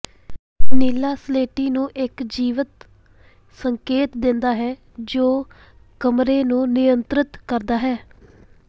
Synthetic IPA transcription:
niːlaːsleːʈiːnũːʔɪkd͡ʒiːʋət̪ | səŋkeːt̪d̪ɪnd̪aːɦɛː | d͡ʒoː | kəmɾeːnũːnɪjənt̪ɾɪt̪kəɾd̪aːɦɛː

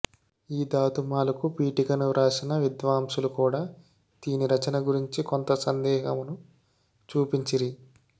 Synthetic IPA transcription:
iːd̪aːt̪umaːlukupiːʈikɐnuɾʔaːsinɐʋid̪ʋaːmsulukuːɽaː | d̪̥iːniɾɐt͡ʃɐnɐɡuɾiɲt͡ʃikont̪ɐsɐnd̪ɛːɦɐmunu | t͡ʃuːpiɲt͡ʃiɾi

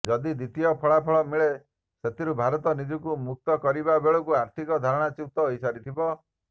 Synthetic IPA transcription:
d͡ʒɔd̪id̪it̪iɔpʰɔɭapʰɔɭɔmiɭe | set̪iɾubʱaɾɔt̪ɔnid͡ʒɔkumuk̚t̪ɔkɔɾibabeɭɔkuaɾt̪ʰikɔd̪ʱaɾɔɽ̃at͡ʃut̪ɔisaɾit̪ʰibɔ

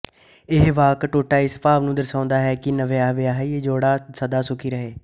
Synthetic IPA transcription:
ɪɦʋaːkʈoːʈaːɪspaːʋnũːd̪əɾsãːnd̪aːɦɛːkɪnəʋeːaːʋeːaɦied͡ʒoːɽaːsəd̪aːsʊkʰiːɾəɦeː

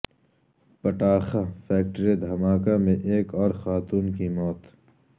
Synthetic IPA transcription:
pɐʈaːxafɛːk̚ʈəɾed̪ʱɐmaːkamẽʔeːkɔːɾxaːt̪uːnkimɔːt̪

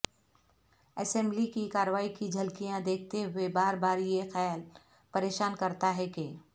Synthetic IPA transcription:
ɛsɛ̃mblikikaːɾəʋaːikid͡ʒʱɐlkijãd̪eːk̚ʰt̪eɦʊebaːɾbaːɾjexɛjal | pɐɾeːʃaːnkɐɾt̪aɦɛke

